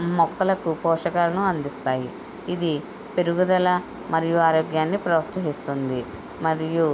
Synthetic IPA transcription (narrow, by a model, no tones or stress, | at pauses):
mɔkːɐlɐkupɔːʂɐkaːlɐnuɐnd̪ist̪aːji | id̪i | pe̞ɾuɡud̪ɐlɐ | mɐɾijuaːɾoːɡjaːnːipɾɐʋɐst̪ɐɦist̪und̪i | mɐɾiju